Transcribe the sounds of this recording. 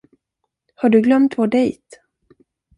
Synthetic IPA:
haɖɵɡlœmt̪voɖɛjt̪

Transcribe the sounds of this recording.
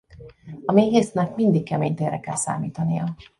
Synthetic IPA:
ɒmiɡeːsnɛkmind̪ikːɛmeːɲt̪erɛkɛlsa̰ːmḭːt̪ɒnijɒ

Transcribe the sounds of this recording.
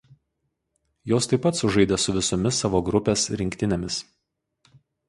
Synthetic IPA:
joːst̪ɐɪpːɐt̪sʊʒɐɪd̪ʲɛsʊʋʲɪsɔmʲɪsːɑːʋoːɡɾʊpʲeːsɾʲɪŋʲkʲt̪ʲɪnʲemʲɪs

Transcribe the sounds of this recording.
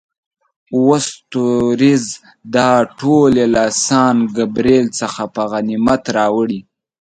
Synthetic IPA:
wost̪oɾiz | d̪ɑʈʰolelasɑːnɡabɾelt͡səxapəɣanimat̪ɾɑwəɽi

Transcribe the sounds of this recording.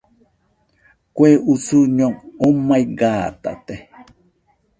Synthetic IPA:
kʷeʔusuɲoŋomajɡaːt̪a̰t̪e

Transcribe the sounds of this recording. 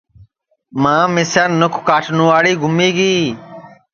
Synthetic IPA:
mãːmɪsjaːnːʊkʰkaːʈʰnũːʋaːɽiːɡʱʊmiːɡiː

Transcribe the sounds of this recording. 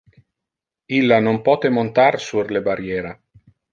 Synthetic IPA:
ilːanompɔːt̪emont̪aɾsurlebaɾjɛːɾa

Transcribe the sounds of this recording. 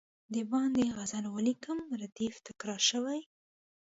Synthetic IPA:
d̪əbɑnd̪eɣazanwalikəmɾad̪ift̪ɪkɾɑɾʃəwaj

